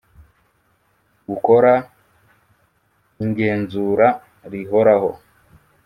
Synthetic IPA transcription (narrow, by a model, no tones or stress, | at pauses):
ɡuko̞ɾa | iŋɡe̞ːnzuɾa | ɾiɦo̞ɾaho̞